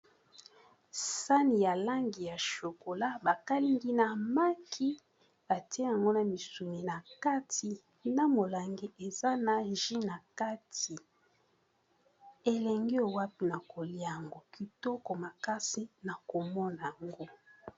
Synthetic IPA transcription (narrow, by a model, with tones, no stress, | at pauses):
sa˦ni˨ja˨la˦ŋɡi˨ja˨ʃo˨ko˨la˦ba˨ka˦li˦ŋɡi˦na˨ma˦kʰi˦ | ba˨te˦ja˨ŋɡo˦na˨mi˨su˨mi˨na˨ka˦ti˨ | na˦mo˨la˨ŋɡi˦ʔe˨za˦na˨ʒi˦na˨ka˦ti˨ | e˨lɛ˨ŋɡi˦o˨wa˦pi˨na˨ko˨li˦a˨ŋɡo˨ki˨tɔ˦kɔ˨ma˨ka˦si˦na˨ko˨mɔ˦na˨a˨ŋɡo˦